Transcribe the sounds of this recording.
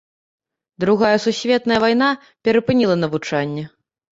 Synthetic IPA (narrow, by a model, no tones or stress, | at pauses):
d̪ɾuɣajɐsusʲvʲɛt̪nɐjɐvajn̪a | pʲɛɾɐpɨnʲilˠɐnɐvut͡ʂanʲːɛ